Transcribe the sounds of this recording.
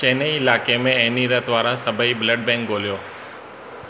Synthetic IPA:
t͡ʃẽːneiɪlaːkemẽɛɦniɾət̪ʋaːɾasɐbʱəibləɖ̚bɛ̃ːŋkɡoːlijoː

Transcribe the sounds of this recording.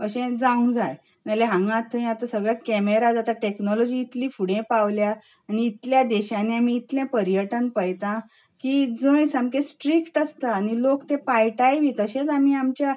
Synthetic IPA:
əɕẽd͡zãũd͡zaj | naleɦãŋɡãt̪ʰːəĩat̪asəɡɭjakɛmeɾad͡zat̪aʈeknɔlɔd͡ʑiːt̪liːfuɽẽpawlja | aniːt̪ljad̪ɛɕãneam̤iːt̪ljɛ̃pəɾjəʈənpəjt̪ã | kid͡zəjsamkẽsʈɾikʈəst̪aːnilokt̪ẽpajʈajʋʱit̪əɕẽt͡sam̤iːamt͡ɕja

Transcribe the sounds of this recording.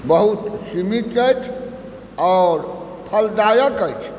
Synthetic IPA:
bəɦut̪simit̪əjt͡ʃʰ | ɔːɾ | pʰəld̪ajəkəjt͡ʃʰ

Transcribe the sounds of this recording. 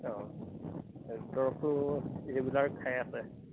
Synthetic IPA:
ɔ̃ | dɔɹɔkʊebulaɹkʰajasɛ

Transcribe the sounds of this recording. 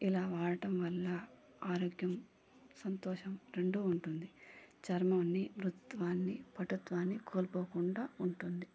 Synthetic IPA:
ilaːʋaːɭɐʈɐmʋɐlːɐ | aːɾoːɡjɐm | sɐnt̪ɔːʃɐmɾe̞ɳɖuːɳʈund̪it͡ʃɐɾmaːnːimɾut̪ʋaːnːipɐʈut̪ʋaːnːikoːlpoːkuɳɖaːuɳʈund̪i

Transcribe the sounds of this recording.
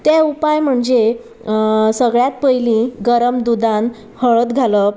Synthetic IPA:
t̪jaupajm̤əɳd͡ze | səɡɭjat̪̚pəjlĩɡəɾəmd̪ud̪ãn | həɭət̪ɡʱalə

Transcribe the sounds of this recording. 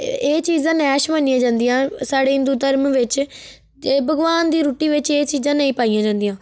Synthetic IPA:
eːt͡ʃiːzãːnɛːʃmənijãːd͡ʒãːnd̪ijãːsaːɽeːɪ̃nd̪uːt̪əɾmʋɪt͡ʃː | bʱəɡʋaːnd̪iːɾuːʈiːʋɪt͡ʃeːt͡ʃiːzãːnəĩːpaːijãːd͡ʒãːnd̪ijãː

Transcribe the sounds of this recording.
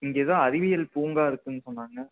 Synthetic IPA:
ɪŋɡeːðãːɐɾɪʋɪjɐlpuːŋɡaːɪɾɯkːɯnːɯsɔnːaːŋɡɐ

